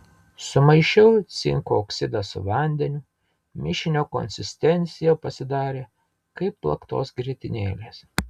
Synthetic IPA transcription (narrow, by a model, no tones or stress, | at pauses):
sʊmɐɪʃʲɛʊt̪sʲɪ̰ŋkooksʲɪd̪ɑsʊ̰ʋɐnʲd̪ʲɛnʲʊ | mʲɪʃʲɪnʲoːkɔnʲsʲɪsʲt̪ʲɛnʲt̪sʲɪjoːpɐsʲɪd̪ɑːɾʲeː | kɐɪpːlˠɐ̰kt̪o̰ːsɡɾʲɪt̪ʲɪnʲeːlʲeːs